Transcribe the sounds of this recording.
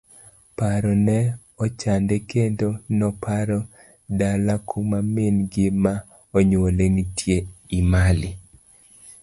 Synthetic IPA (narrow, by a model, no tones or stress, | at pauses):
paɾɔnɛ | ɔt͡ʃandekendonɔpʰaɾɔ | dalakʰumamenɡɪma | ɔɲolenitʰjeimalɪ